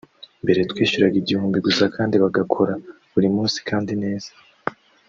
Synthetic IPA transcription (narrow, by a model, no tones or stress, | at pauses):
mbe̞ɾe̞tkwiːʃuɾaɡiɟihuːmbiɡusakʰaːndiβaɡakʰo̞ɾa | βuɾimuːnsi̥kʰaːndine̞ːz̥ḁ